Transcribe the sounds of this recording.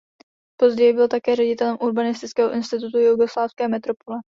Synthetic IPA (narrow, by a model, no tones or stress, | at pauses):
po̞zɟɛjɪbɪlt̪akɛːrɛɟɪt̪ɛlɛmʔuɾbanɪst̪ɪt͡skɛːɦoʔɪnst̪ɪt̪ut̪ujuɡo̞slaːfskɛːmɛt̪ɾo̞polɛ